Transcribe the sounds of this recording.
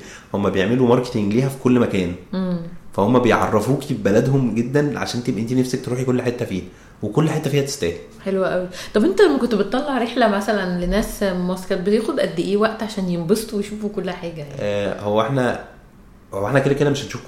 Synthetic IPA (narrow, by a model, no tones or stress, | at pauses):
homːæbejeʕmelumɑɾˤke̥t̪eŋɡliːɦæfi̥kolːmækæːnʔemːfæhomːæbejʕɑ̰rˤːɑfuːkibælæd̪homɡed̪ːænʕa̰ʃæːnt̪ebʔent̪inæfsæk̚t̪eɾuːħikolːħet̪ːæfiːhæ | wekolːħet̪ːæfiːhæt̪e̥st̪æ̰ːh | ħelwæʔæwit̪ˤɑbʔent̪ælæmːækont̪bet̪ˤːɑlːɑʕɾeħlæmæsælænlenæːsmɑskɑt̪̚bet̪eːxod̪ʔæd̪ːiʔeːwæʔt̪ʕaʃæːnjembest̪owejʃuːfukolːħaːɡæjaʔæːhowːæʔeħnæ | hoːæeħnæked̪æked̪æmeʃhæt̪ʃuːf